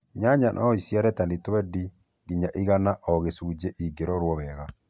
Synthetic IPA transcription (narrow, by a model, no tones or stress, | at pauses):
ɲaɲanʔa̰isjaɾɛtanitɔβɛdi | ɡiɲaʔiɣanaʔɔɣesud͡ʒɛʔiɡeɾɔɾwɔβɛɣa